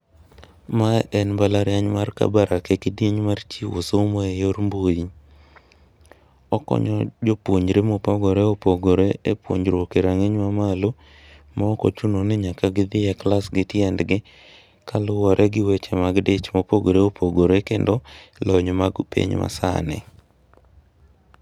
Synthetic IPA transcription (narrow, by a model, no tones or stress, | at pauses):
maɛnbalaɾjaɲmarka̰baɾakekɪdieɲmart͡ʃiwosomoejoɾmboji | ɔkɔ̰ɲɔd͡ʒopwoɲɾemopaɡɔɾeopoɡoɾeepwo̰ɲɾokeɾaŋeɲmamalo | mɔːko̰t͡ʃunonɪɲakaɡɪd̪ɪjɛklasɡɪtjɛndɡɪ | kalʊwɔɾʔɛɡɪwɛt͡ʃɛmaɡdet͡ʃmopoɡoɾeopʰoɡoɾekendɔlɔɲɔmaɡpḛɲma̰sa̰nɛ̰